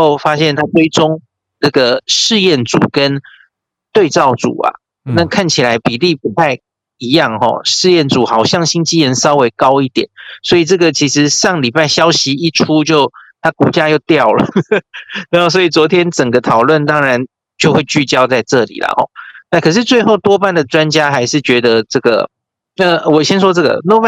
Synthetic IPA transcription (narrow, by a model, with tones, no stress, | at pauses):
o˥˩ʊfa˥ɕjɛ˥˨˩nt̪ʰa˥t͡swe˥ɪʈ͡ʂʊ˥ŋ | nə˥˩ɡə˩ʂɻ̩˥˧jɛ˥˩nt͡sṵ˨˩kə˦˥n | t̪we˥˧ɪt͡sɑ˥˩ʊt͡sṵ˨˩ɐ̰˨˩ | na˥˧kʰa˥˩nt͡ɕʰi˨˩la˨˧˦ɪpi˨˩li˥˩pu˨˦t̪ʰa˥˩ɪ | i˧˥jɑ˥˨˩ŋxɔ̰˨˩ʂɻ̩˥˧jɛ˥˩nt͡su˨˩xɑ˨˩ʊɕjɑ˥˩ŋɕi˥ŋt͡ɕi˥ɻə˧˦nsɑ˥ʊwe˧˥ɪkɑ˦˥ʊi˥˩t̪jɛ̰˨˩˦nswɔ˧˥i˨˩t͡sɤ˥˩ɡə˩t͡ɕʰi˧˥ʂɻ̩˧˦ʂɑ˥˩ŋli˨˩pa˥˩ɪɕjɑ˥ʊɕi˧˦i˥˩ʈ͡ʂʰu˥t͡ɕjo˥˩ʊt̪ʰa˥˩ku˨˩t͡ɕja˥jo˥˧ʊt̪jɑ˥˩ʊlə̰˩ | na˧˦o˥˩ʊs̬ɔ˧˥i˨˩t͡swɔ˧˥t̪ʰjɛ˥nʈ͡ʂə˨˩ŋɡə˦t̪ʰɑ˨˩ʊlwə˥˩nt̪ɑ˥ŋɻa˧˦n | t͡ɕjo˥˧ʊxwe˥˧ɪt͡ɕy˥˩t͡ɕjɑ˥ʊt͡sa˥˧ɪʈ͡ʂɤ˥˨lḭ˨˩lɐ̰˩hɔ̰˥˩na˥˩kʰɤ˨˩ʂ̬ɻ̩˥˧t͡swe˥˧ɪxo˥˩ʊt̪wɔ˥pa˥˩nd̪ə˩t͡swa˦nt͡ɕja˥xa˧˥ɪʂɻ̩˥˩t͡ɕɥɛ˧˥d̪ə˧t͡sɤ˥˩ɡə̰˩ | ə˧wɔ˨˩ɕjɛ˥nʂwɔ˥t͡sɤ˥˩ɡə̰˩no˥˩